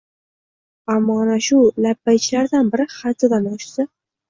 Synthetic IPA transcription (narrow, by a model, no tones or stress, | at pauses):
amːɒanaʃʊlapːajt͡ʃʰɪlaɾd̪anbɪɾɪχat̪ʰɪd̪anɒʃsɪ